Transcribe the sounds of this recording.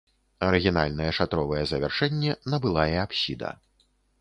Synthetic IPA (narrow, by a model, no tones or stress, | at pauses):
ɐɾɨɣʲina̰lʲnɐjɛʂat̪ɾɔvɐjɛzɐvʲɛrʂɛnʲːɛnɐbɨlˠajɛapsʲid̪ɐ̰